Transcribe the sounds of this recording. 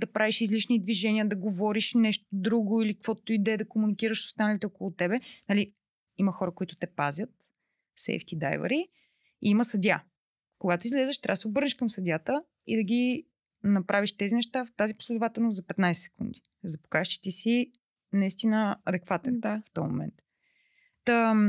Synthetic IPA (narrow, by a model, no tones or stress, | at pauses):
d̪ɐpɾaviʃizlit͡ʃnid̪viʒɛniəd̪ɐɡovɔɾiʃnɛʃt̪od̪ɾuɡʊilikkvɔt̪uid̪ɛːd̪ɐkomunikiɾəʃso̥st̪anəlit̪ɛokolˠut̪ɛbɛnɐli | imɐxɔɾəkoit̪ʊ̥t̪ɛpazʲjət̪ | sɛ̰jft̪id̪a̰jvə̰ɾi | iiməsɐd̪ʲa | koɡat̪oizlɛzɛʃt̪ɾabəsɛobɤɾnɛʃkəmsɐd̪ʲat̪ə | ḭd̪ɐɡʲi | nɐpɾʔaviʃt̪ɛzinɛʃt̪at̪azipo̥slɛd̪ʊvat̪ɛlˠnozɐpɛt̪najsɛ̥sɛ̥kund̪i | zd̪ɐpo̥kaʃt̪i̥t̪isi | nɐist̪inəɐd̪ɛkvat̪ɛnd̪aft̪ɔjmo̰mɛ̰nt̪ | t̪ə